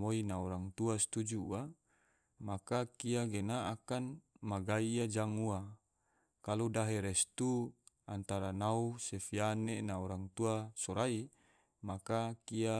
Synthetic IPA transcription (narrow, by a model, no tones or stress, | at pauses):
moinaɔɾaŋt̪uast̪ud͡ʒua | makakiaɡenaːkanmaɡaiad͡ʒaŋua | kaludaɦeɾɛst̪u | ant̪aɾanausefianenaɔɾaŋt̪uasɔɾai | makakia